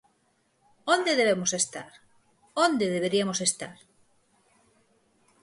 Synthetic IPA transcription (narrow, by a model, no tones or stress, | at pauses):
õnd̪eðeβ̞emosest̪aɾ | õnd̪eðeβ̞eɾiamosest̪a̰ɾ